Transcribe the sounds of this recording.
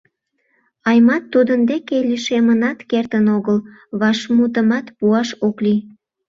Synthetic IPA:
ɑjmɑt̪ːud̪ənd̪ekeliʃemənɑt̪kert̪ənoɣəl | βɑʃmut̪̬əmɑt̪puɑʃokli

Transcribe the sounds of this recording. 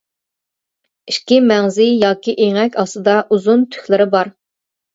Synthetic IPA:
iʃkʲimɛŋzɪjɑːkʲiʔeŋɛkʲʰɑsɨd̪ɑʔuzunt̪ʰy̥xʲlɪɾɪbɑɾ

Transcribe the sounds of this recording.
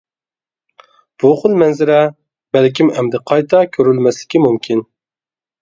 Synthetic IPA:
b̥uχʊlˠmɛnzɪɾɛ | bɛlkʲimɛmd̪ɪqʰɑjt̪ʰɑkʲʰøɾylmɛslɪ̥kʲimumkʲʰin

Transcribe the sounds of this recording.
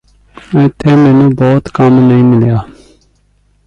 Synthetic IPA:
ə̃ːt̪ʰeːmẽːnũːboːt̪kəmnəĩːmɪljaː

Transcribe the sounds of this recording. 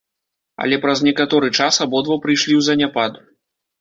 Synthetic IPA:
ɐ̰lʲɛpɾɐznʲɛkat̪ɔɾɨt͡ʂasabɔd̪vɐwpɾɨjʂlʲiwzɐnʲapad̪u

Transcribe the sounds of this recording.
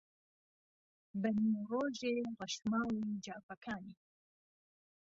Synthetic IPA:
bəniroːʒeːʁaʃmaːwid͡ʒaːfɐkʰaːniː

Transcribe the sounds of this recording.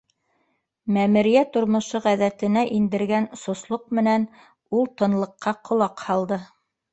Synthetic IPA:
mæmɘ̆ɾijæt̪ŏɾmŏʃɤʁæðæt̪ɘ̆næʔind̪ɘ̆ɾɡænsŏslˠoq̚mɘ̆næn | ulˠt̪ɤ̆nlˠɤ̆qːɑqʰŏlˠɑqhɑlˠd̪ɤ

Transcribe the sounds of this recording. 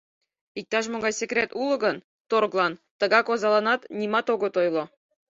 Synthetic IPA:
ik̚t̪ɑʃmoɡɑjsʲekrʲet̪ulˠɤ̆ɡɤ̆n | t̪oɾɤ̆klˠɑnt̪ɤ̆ɡɑkozɑlˠɑnɑt̪nʲimɑt̪oɡŏt̪ojlˠɤ̆

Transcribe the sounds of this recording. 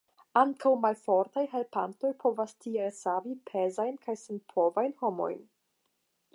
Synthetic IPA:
aŋkʰawmalfo̞ɾtajɦe̞lpanto̞jpʰo̞vastielsavipʰe̞zajnkʰajsenpʰo̞vajnhomo̞̰jn

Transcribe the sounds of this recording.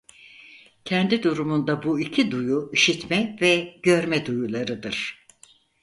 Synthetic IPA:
cʰɛnd̪id̪uɾumund̪abuicʰid̪ujuiʃit̪mɛvɛɟø̞ɾmɛd̪ujulˠaɾɯd̪ɯɾ̥

